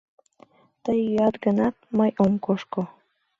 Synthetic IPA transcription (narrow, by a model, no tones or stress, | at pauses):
t̪əjɑt̪ɡənɑt̪̚məjʔomkoʃko